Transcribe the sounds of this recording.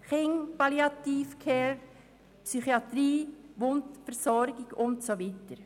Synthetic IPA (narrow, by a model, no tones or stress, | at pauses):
χɪŋpɑliɑt̪iːfkʰɛːɾ | psyχiɑt̪ɾiːʋʊntfɛɾsɔɾɡɪɡʊntsoʋitəɾ